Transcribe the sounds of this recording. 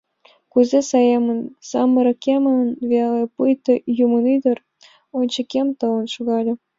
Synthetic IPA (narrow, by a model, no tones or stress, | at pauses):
kuzʲesɑjɑmənsɑmːɤɾɤ̆kʲemə̆nvʲɑlʲepujt̪ɤ̆jumənyd̪ə̆r | onʲt͡ɕə̆kʲemt̪ɤ̆wə̆nʃuɣɑlʲɤ̆